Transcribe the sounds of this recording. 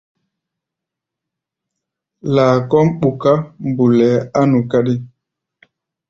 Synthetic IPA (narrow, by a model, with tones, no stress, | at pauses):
laː˨kɔ˦mɓu˨ka˦mbu˨lɛ˨˦a˦nu˨ka˦ɗi˦